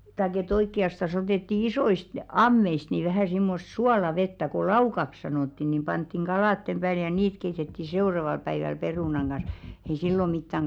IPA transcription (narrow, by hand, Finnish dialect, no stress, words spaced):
tɑik et oikːiɑstɑs oteˑtːi isoist ɑmːeist niˑ ʋæhæ simːos suɑlɑʋetːæ ko lɑukɑks sɑnoˑtːi nim pɑntːiŋ ɡ̊ɑlɑˑtːem b̥æːl jɑ niːt keitetːi seurɑʋɑl pæiʋæl peruˑnɑŋ ɡ̊ɑn̞s ei silːo mitːæŋ